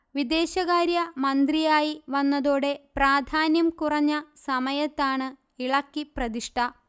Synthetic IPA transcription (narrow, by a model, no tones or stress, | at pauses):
ʋid̪e̞ːɕɐɣaːɾjɐmɐnd̪rijaːjiʋɐnːɐðoːɽe̞praːd̪ʱaːnjɐmkurɐɲːɐsɐmɐjɐt̪ːaːɳɨ | iɭɐkːiprɐd̪iʂʈʰɐ